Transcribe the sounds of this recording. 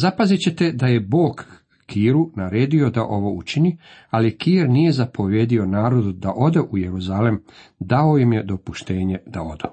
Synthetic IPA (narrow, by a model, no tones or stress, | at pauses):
zapazit͡ɕe̞t̪e̞d̪aje̞bo̞ːkː | iːɾunaɾeːd̪io̞d̪aʔo̞ʋo̞ut͡ʃinialikiːɾnije̞zapo̞ʋjed̪io̞naːɾo̞d̪ud̪aʔo̞d̪eʔuje̞ɾuzalemd̪aojimje̞d̪o̞puʃt̪e̞ːɲe̞d̪̥ao̞̰d̪o